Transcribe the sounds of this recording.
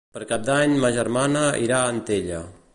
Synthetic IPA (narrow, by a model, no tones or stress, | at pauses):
pəɾkap̚d̪aɲmaʒəɾmanəḭɾaːnt̪eʎə